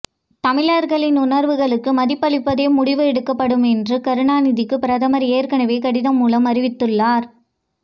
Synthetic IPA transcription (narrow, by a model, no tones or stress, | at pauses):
t̪ɐmɪlaːɾɣɐɭɪnʊnɐɾʋɯɣɐɭɯkːɯmɐðɪpːɐɭɪpːɐðeːmʊɽɪʋɯɛɽɯkːɐpːɐɽɯmɛndrɯkɐɾɯɳaːnɪðɪkːɯpɪɾɐðɐmɐɾeːɾkɐɳɐʋeːkɐɽɪðɐmːuːlɐmɐɾɪʋɪt̪ːɯɭːaːɾ